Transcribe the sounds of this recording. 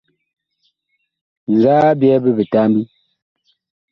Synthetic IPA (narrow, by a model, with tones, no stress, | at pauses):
ŋ̩˨ɡaː˦bjɛ˦bə˦be˨ta˦m˦bi˦